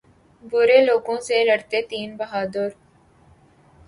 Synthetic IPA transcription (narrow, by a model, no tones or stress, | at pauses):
bʊɾeːloːkõːseləɽt̪et̪iːnbɐɦaːd̪əɾ